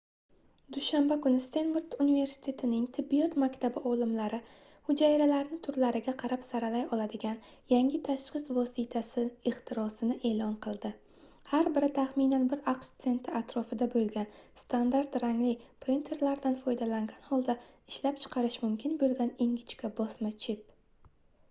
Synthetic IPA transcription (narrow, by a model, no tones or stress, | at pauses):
d̪̥ʊʃambakʊnɪst̪e̞nvuɾt̪unive̞ɾsɪ̥t̪ʰe̞t̪ʰɪnɪŋt̪ʰɪbːijɒt̪makʲt̪ʰabɪʔɒlˠɪmlaɾɪ | hʊd͡ʒaɪɾalaɾnɪt̪ʰʊɾlaɾɪɡʲaqʰɑɾapsaɾalajɒlˠad̪ɪɡʲan | jaŋʲɪt̪ʰaʃqɨsvɒsit̪ʰasɪɪχt̪ʰɪɾɒsɪnɪʔe̞lˠɒnqʰɨlˠd̪ɪ | haɾbɪɾɪt̪ʰaχmɪnanbɪɾaqʃt̪se̞nt̪ʰɪat̪ɾɒfɪd̪abolˠɡʲanst̪ʰand̪aɾt̪ɾaŋlɪpɾint̪ʰe̞ɾlaɾd̪anfɒjd̪alaŋɡʲanhɒlˠd̪aɪʃlap̚t͡ʃʰɨ̥qʰɑɾɪʃmʊmkʲʰɪnbolˠɡʲaniŋɡʲɪt͡ʃkʲabɒsmat͡ʃʰɪp